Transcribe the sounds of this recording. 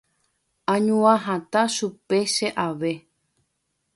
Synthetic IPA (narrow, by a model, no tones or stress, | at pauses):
ãɲũãɦãt̪aʃupe̞ʃe̞ʔaʋe̞